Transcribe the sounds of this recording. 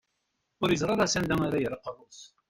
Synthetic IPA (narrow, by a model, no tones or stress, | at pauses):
ʊɾjəzˤʁˤɑɾˤasænd̪æŋaɾajəɾqːərˤos